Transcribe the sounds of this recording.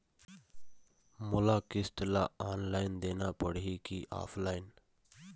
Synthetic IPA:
mʊlaːkɪsʈlaːaːnlaːɪnd̪eːnapəɽikiʔa̰ːpʰlaːɪn

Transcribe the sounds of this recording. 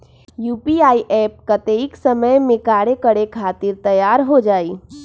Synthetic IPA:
juːpiaːiʔɛːp̚kət̪eɪksəməjmẽkaːɽekəɽekʰaːt̪ɪɾt̪əjaːɾɦod͡ʒaːiː

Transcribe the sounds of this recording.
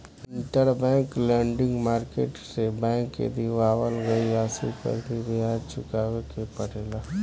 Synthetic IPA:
ɪ̃ɳʈəɾbɛ̃ːŋklɛ̃ːɳɖɪ̃ŋɡmaːɾkḛːʈsebɛ̃ːŋkːḛd̪iʋaːwəlɡɐiaːsipə̰ɾd̪ibiɦaːɾt͡ʃʰʊkaːɡekepɐɽeːlaː

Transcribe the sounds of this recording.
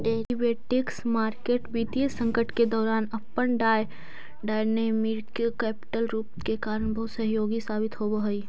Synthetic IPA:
ɖeːɾibeːʈɪksmaːɾkeːʈbiːt̪iəsə̃ŋkəʈked̪ɔːɾaːnɐpːənɖaːj | ɖaːneːmiɾkkɛːpɪ̥ʈəlɾuːpkekaːɾəɳbɐɦʊt̪səɦjoːɡisaːbɪt̪ɦoboɦəiː

